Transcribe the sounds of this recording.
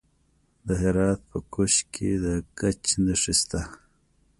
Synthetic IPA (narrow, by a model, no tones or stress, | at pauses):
d̪əɦeɾɑːt̪̚pəkuʃkʰed̪əkat͡ʃnəʂist̪a